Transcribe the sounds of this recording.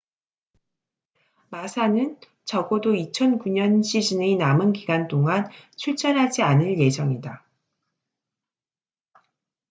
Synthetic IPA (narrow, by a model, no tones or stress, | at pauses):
masʰanɯn | t͡ɕʌɡodoit͡ɕʰʌnkuɲʌnɕʰid͡ʑineinamɯnkiɡant͈oŋant͡ɕʰuɭt͡ɕ͈ʌɾɦad͡ʑianɯɭje̞d͡ʑʌŋida